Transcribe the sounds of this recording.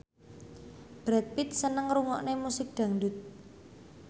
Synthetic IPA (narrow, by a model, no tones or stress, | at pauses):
b̥ɾɛt̪̚pit̪̚sənəŋɾuŋɔʔnemusɪk̚d̪̥ä̤ŋɖut̪̚